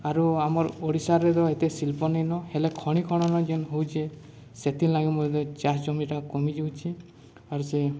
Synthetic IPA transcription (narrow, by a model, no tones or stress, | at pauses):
aɾuamɔɾoɽisaɾːed̪ɔet̪esilpɔnajnɔhelekʰɔɽ̃ikʰɔɽ̃ɔnɔd͡ʒɔnɦowt͡ʃʰe | set̪inlaɡimɔɾd̪ɔd͡ʒasd͡ʒɔmiʈakɔmid͡ʒiwt͡ʃʰi | aɾuse